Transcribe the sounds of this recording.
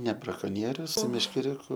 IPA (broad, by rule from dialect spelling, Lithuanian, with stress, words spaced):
nʲɛ brɐkoːˈnʲiɛrʲʊs sʊ mʲɛʃʲkʲɛˈrʲʊkʊ